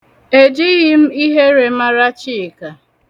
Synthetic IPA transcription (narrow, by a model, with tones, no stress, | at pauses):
e˨d͡ʒi˦ɣɪ˦m̩˦i˦ɦe˦ɾe˨ma˦ɾa˦t͡ʃi˦˨ka˨